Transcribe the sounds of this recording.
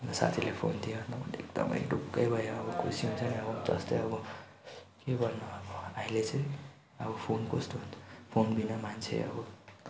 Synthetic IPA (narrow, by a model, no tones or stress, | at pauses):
nsa̰t̪ʰilepʰont̪ʰijonʌbʌnḛkd̪ʌ̰m̰ḛkɖukːʌjbʱʌjoːbʌkʰusiũnt͡sʰʌniʌbʌt̪ʌ̰st̪ʌjʌbʌ | kebʱʌɾnʌʌbʌailet͡se | ʌbʌpʰonkosʈunʰpʰonbinʌmant͡sʰḛʌ̰bʌ